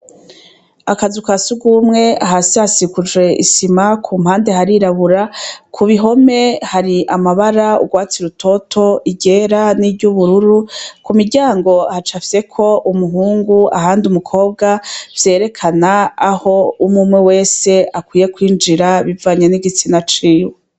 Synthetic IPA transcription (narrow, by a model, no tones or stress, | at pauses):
akazukasuɡumŋe̞aɦasiasikud͡ʒwe̞ʔḭsimakʰumhaːnde̞ɦaɾiɾaβuɾakʰuβiɦo̞me̞haɾiʔamaβaɾaṵɡwaːt͡siɾutʰo̞tʰo̞iɟe̞ɾaniɟuβuɾuɾukumiɾɟaːŋɡo̞hat͡ʃafse̞kʰo̞ʔumuɦuːŋɡua̰haːndiumukʰo̞ːb̚ɡav̥je̞ːɾe̞kʰanaːho̞umumŋewe̞ːse̞akwiːje̞kwiːnd͡ʒiɾaβivaɲeniɡit͡sinat͡ʃiːwe